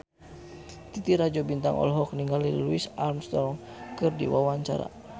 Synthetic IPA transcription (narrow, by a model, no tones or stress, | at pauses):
t̪it̪iɾad͡ʒɔbint̪a̰ŋʔɔ̰lɦɔk̚niŋɡaliluisalmst̪ɔŋkɨrdḭwawaɲt͡ʃa̰ɾa̰